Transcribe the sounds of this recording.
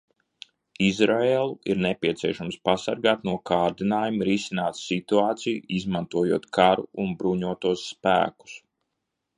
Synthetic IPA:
izɾaeːlˠuiɾnepʲiɛt̪siɛʃamspasa̰ɾɡaːt̪nuɔkaːɾd̪inaːjumɾisinaːt̪sit̪uaːt̪sijuizmant̪uɔjuɔt̪kʰaɾuunbɾuɲuɔt̪uɔsːpæ̰ːku̥s

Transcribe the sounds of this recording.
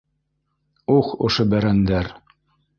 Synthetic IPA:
uχŏ̰ʃobæɾænd̪æɾ

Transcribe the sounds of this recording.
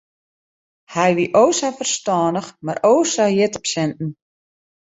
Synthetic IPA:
hɛjʋiʔoːsafərstɔːndəxmaroːsajɪtəpsɛntn̩

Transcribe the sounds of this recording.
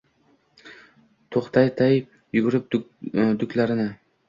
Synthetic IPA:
t̪ʰoqt̪ɑjt̪ʰaj | jʊɡʲʊɾɪp̚d̪ʊkʲlaɾɪnɪ

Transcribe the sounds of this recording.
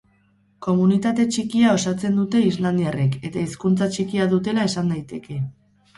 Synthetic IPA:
ko̞munit̪at̪e̞t͡ʃikiao̞sat͡se̞nd̪ut̪e̞izland̪iareke̞t̪aiskunt͡sat͡ʃikiaðut̪e̞lae̞sand̪ajt̪e̞ke̞

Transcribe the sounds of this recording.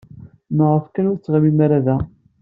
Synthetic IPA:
məʁəfkænʊɾt͡sːʁəmimaɾaðæ

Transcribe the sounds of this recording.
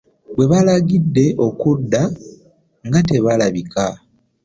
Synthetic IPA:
bwe̞βalaɡidːe̞ʔo̞kudːa | ŋɡate̞βalaβika

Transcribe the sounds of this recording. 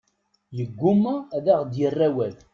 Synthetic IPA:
jəɡʷːʊmæðæʁd̪jərːæwæð

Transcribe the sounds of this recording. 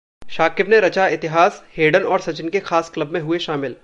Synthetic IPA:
ʃaːkɪbneɾɐt͡ʃaɪt̪ɪɦaːsheːɖənɔːɾsɐt͡ʃɪnkexaːsklɐbmẽɦʊeʃaːmɪl

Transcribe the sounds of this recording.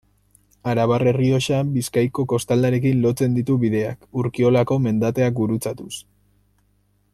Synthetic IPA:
aɾaβare̞rio̞ʃabiskajko̞ko̞st̪ald̪aɾe̞k̬inlo̞t͡se̞nd̪it̪uβiðe̞akuɾkio̞lako̞me̞nd̪at̪e̞ak̚buɾut͡sat̪us

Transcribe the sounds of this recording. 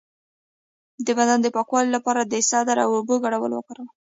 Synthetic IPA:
d̪əbad̪and̪əpɑkwɑlilapɑɾad̪əsɑd̪aɾa̰wobəɡaɽawə̰lwə̰kaɾəl

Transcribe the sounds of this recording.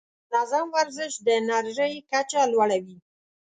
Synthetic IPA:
nazɑmwaɾzɪʃd̪ənaɾʒəjkat͡ʃalwaɽawi

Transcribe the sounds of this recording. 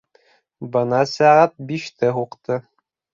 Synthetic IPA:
bɤ̆nɑsæʁæt̪̚biʃt̪ɘɦuqt̪ɤ

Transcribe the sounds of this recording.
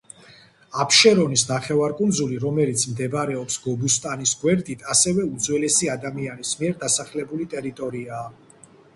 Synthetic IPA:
apʰʃɛɾɔnisnaχɛvaɾkʼund̪zuliɾɔmɛlit̪sʰmd̪ɛbɾɛɔpsɡɔbust̪ʼanisɡwɛɾd̪ʼit̪ʰasɛvɛud̪zwɛlɛsiad̪amianismiɛɾd̪asaχlɛbulit̪ʼɛɾit̪ʼɔɾiaː

